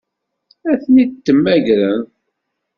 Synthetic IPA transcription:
æθnit̪ːəmːæʝɾən

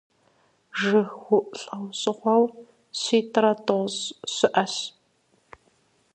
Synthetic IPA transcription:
ʒɨxwʷʊʔɬʼɐwɕʼɪχʷɐw | ɕiːtʰɾɐtʼozɕɪʔɐɕ

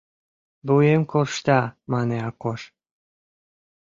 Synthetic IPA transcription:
buemkorʃt̪ɑmɑneɑkoʃ

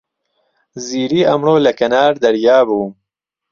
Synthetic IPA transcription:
ziːɾiːɐmɾoːlɐkɐnaːɾd̪ɐɾjaːbuː

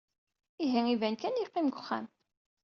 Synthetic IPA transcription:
iɦiivænkænjiqːimɡəχːæ̰m

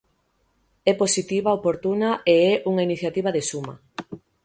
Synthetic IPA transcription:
ɛposit̪iβaopoɾt̪unaʔeɛʔuŋainiθjat̪iβɐðesumɐ̰

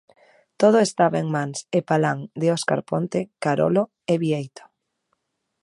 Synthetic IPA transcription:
t̪oð̞oest̪aβaeŋmansepalaŋd̪eoska̰ɾpont̪ekaɾo̰lo | eβiejt̪o̥

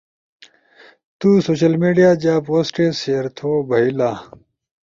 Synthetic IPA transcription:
t̪uːsoːɕɐlmeːɖijaːd͡ʑaːpoːsʈeːseɐɾt̪ʰoːbʱɐilaː

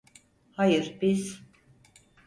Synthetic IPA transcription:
hajɯɾbiz

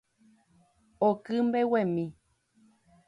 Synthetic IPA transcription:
okɨmbewẽmĩ

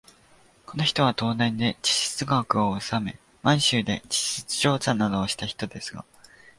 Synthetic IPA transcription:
ko̞no̞çi̥t̪o̞β̞at̪o̞ːnẽ̞nd̪e̞d͡ʑi̥ɕe̥t͡sɨɡakɯ̟oosame̞ | mãɰ̃ɕɨːd̪e̞d͡ʑi̥ɕɨ̥t͡sɨ̥ʑo̞ːt͡ɕãnːad̪o̞ːɕi̥t̪açi̥t̪o̞d̪e̞sɨɡa̰

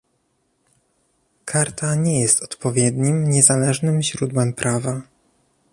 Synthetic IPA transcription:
kʰaɾt̪ʰaɲɛjɛst̪ɔ̥t̪pɔvʲjɛd̪ɲimɲɛzalɛʐnɘmʑɾud̪wɛmpɾʔava

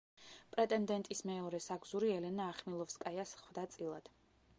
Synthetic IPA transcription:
pʼɾɛt̪ʼɛnd̪ɛnt̪ʼismɛɔɾɛsaɡzuɾiɛlɛnaːχmilˠɔfskʼajasχwd̪at̪sʼilˠad̪̥

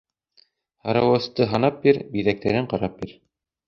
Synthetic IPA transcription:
hɑɾɑwɤ̆st̪ɤɦɑnɑp̚biɾbiðæk̚t̪æɾɘɴqɑɾɑp̚biɾ

